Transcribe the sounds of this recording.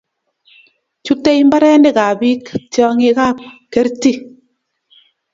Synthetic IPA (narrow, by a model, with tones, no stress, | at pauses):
t͡ʃu˦te˦jmba˦ɾɛ˦ndɛ˦˨ka˨bi˦ktjɔ˦ŋe˦ka˦pke˦ɾti˦